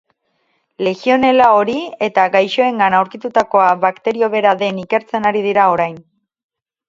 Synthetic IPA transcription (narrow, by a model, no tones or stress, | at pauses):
le̞ɣio̞ne̞lao̞ɾie̞t̪aɡajʃo̞e̞ŋɡanawɾkit̪ut̪ako̞aβakt̪e̞ɾio̞βe̞ɾaðe̞nike̞ɾt͡se̞naɾið̞iɾao̞ɾajn